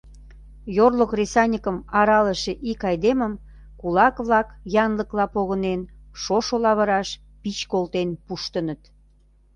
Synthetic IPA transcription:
jorlokrʲesɑnʲikəmɑɾɑləʃeʔikɑjd̪eməm | kulɑkβlɑkjɑnləklɑpoɣənen | ʃoʃolɑβəɾɑʃ | pit͡ɕkolt̪enpuʃt̪ənət̪

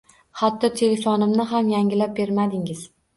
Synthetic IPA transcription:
hat̪ːɒt̪ʰe̞le̞fɒnɪmnɪɦamjaŋʲɪlap̚be̞ɾmad̪ɪŋɪz̥

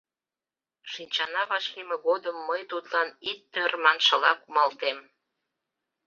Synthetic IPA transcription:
ʃinʲt͡ɕɑnɑβɑʃlimeɣod̪əmːəjt̪ut̪lɑnit̪̚ːørmɑnʃəlɑkumɑlt̪em

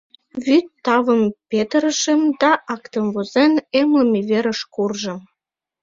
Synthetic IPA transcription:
βyt̪ːɑβəmpet̪əɾəʃəmd̪ɑʔɑkt̪əmvozenemlə̆meβeɾə̆ʃkurʒə̆m

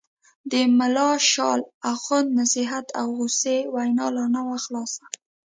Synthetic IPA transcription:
d̪əmalɑʃɑlaxand̪nasiɦat̪ʰawɣusewajnɑlanawaxlɑsa

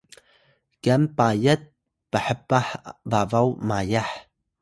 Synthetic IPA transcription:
kɛmpajət̪̚ | pəħəpaħvavawmajaħ

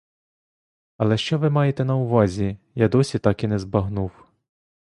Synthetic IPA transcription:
ɐlˠɛʃt͡ʃɔʋɪmɑjet̪ɛnɐʊʋɑzʲijad̪ɔsʲit̪ɑkinɛzbɐɦnuw

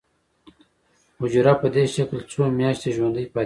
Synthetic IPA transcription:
hʊd͡ʒɾapəd̪eʃaklt͡somjaːʃt̪eʒwand̪əjpɑ

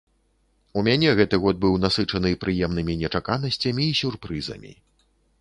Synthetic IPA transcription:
umʲanʲɛɣɛt̪ɨɣɔd̪̚bɨwnasɨt͡ʂɐnɨpɾɨjɛmnɨmʲinʲɛt͡ʂakanɐsʲt͡sʲɐmʲiːsʲurpɾɨzɐ̰mʲḭ

